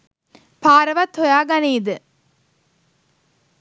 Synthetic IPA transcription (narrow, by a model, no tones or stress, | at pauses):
paːɾɐʋɐt̪ʰːojaːɡɐniːd̪ɨ